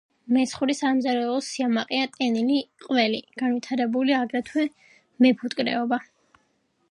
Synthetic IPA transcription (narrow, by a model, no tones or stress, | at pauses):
mɛt̪sχuɾisamzaɾɛlˠɔsiamaqʼiat̪ʼɛniliqʼwɛliɡ̥anvwit̪ʰaɾɛbuliaɡɾat̪ʰwɛ | mɛpʰut̪ʼkʼɾɛ̰ɔba